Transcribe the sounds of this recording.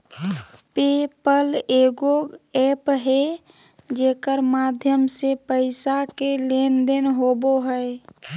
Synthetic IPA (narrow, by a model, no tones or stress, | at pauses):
pepəleɡoepɦe | d͡ʒeːkəɾmad̪ʱjəmsepəɪsakelend̪enɦoboɦəe